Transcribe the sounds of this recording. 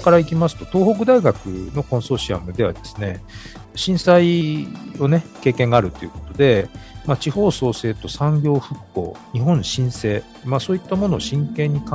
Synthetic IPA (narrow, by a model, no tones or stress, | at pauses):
kaɾaikʲimasɨ̥t̪o̞t̪o̞ːho̞k̬ɯ̟d̪aiɡakɯ̟̰no̞kõ̞ɰ̃so̞ɕia̰mɯ̟d̪e̞βa̰d̪e̞sɨ̥ne̞ | ɕĩɰ̃sai | o̞ne̞ke̞ːkẽ̞ŋɡaːɾɯ̟t̪ːo̞iɯ̟ko̞t̪o̞d̪e̞maːt͡ɕiho̞ːso̞ːse̞ːt̪o̞sãŋɡʲo̞ːɸɯ̟kːo̞̰ːɲ̟iɦõ̞ɰ̃ɕĩɰ̃se̞ː | maːsoːit̪ːamo̞no̞ːɕĩŋkẽ̞ɲ̟ːikã